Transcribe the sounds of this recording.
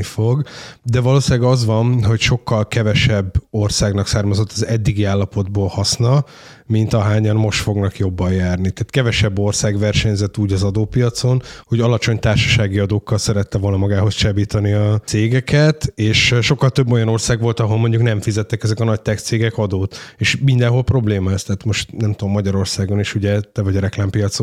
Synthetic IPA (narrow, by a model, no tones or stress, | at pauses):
ifo̞ɡd̪ɛvɒloːsilɛɡɒzʋɒnɦo̞cʃo̞kːɒlkɛvɛʃɛbːo̞rsaːɡnɒksaːrmɒzo̞t̪ːɒzɛd̪ːiɡiaːlːɒpo̞d̪boːlhɒsnɒ | mint̪ɒɦaːɲɒnmo̞ʃt̪fo̞ɡnɒkjo̞bːɒjjaːrnit̪ɛːt̪kɛvɛʃɛbːo̞rsaːɡʋɛrʃɛɲzɛt̪ːuːɟɒzɒd̪oːpijɒt̪so̞nho̞ɟɒlɒt͡ʃo̞ɲt̪aːrʃɒ̥ʃaːɡiɒd̪oːkːɒlsɛɾɛt̪ːɛvo̞lnɒmɒɡaːɦo̞st͡ʃɛbiːt̪ɒniɒseːɡɛkɛt̪eːʃʃo̞kːɒlt̪øbːo̞jɒno̞rsaːɡʋo̞lt̪ɒɦo̞lmo̞ɲɟuknɛɱfizɛt̪ːɛkɛzɛkɒnɒc̚t̪ɛkt̪seːɡɛkɒd̪oːt̪eːʃmind̪ɛnɦo̞lpro̞bleːmɒɛst̪ɛːt̪mo̞ʃt̪nɛmt̪uomːɒɟɒɾo̞rsaːɡo̞neːʃuɟɛt̪ɛvɒɟɒɾɛklaːmpijɒt̪so